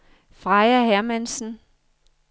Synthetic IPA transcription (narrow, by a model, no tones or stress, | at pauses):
fʁɑ̈ɪɐɦæɐmænsn̩